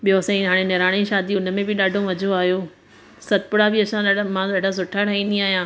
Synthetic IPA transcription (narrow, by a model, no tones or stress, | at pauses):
ɓijosãĩɦaːɽ̃enɪɾaːɽ̃eʃaːd̪iʊnə̆mẽbɪɗaːɖʱomɐd͡ʑʱoaːɦijo | sɐt̪̚pʊɽabɪɐsʰãɗaɖamãɗaːɖʱas̬ʊʈʰaɾɐɦĩːn̆d̪iaːɦijãː